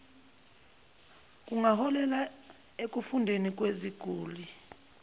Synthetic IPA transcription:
k̬ʼuŋahɔlɛla | ek̬ʼufundʱenik̬ʼweziɡ̥ʱuːli

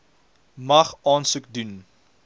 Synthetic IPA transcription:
mɐχɑːnsəkdun

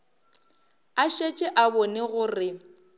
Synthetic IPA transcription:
aʃet͡ʃʼɪʔabɔneɣʊːrɪ

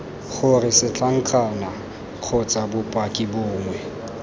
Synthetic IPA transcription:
χʊrɪsɪt͡ɬʰʼaŋ̩kʰana | k͡xʰʊt͡sʼabʊpʼakʼɪbʊːŋwɛ

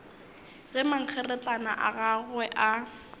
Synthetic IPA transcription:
ɣɛmaŋ̩k͡xʰɛrɛt͡ɬʼana̰ʔaɣaɣwɛʔa

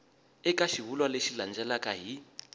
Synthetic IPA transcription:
ɛkʼaʃiβulwaleʃiland͡ʒɛlakʼaɦi

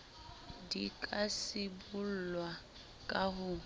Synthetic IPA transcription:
dikʼasɪbul̩lwa | kʼaɦʊ

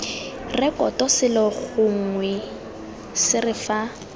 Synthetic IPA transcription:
rɪkʼɔtɔsɪlɔɣʊŋ̩ŋwɛ | sɪrɪfa

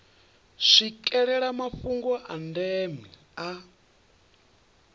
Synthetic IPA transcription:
ʂikʼɛɺɛɺamafuŋɡɔʔandɛmi | a

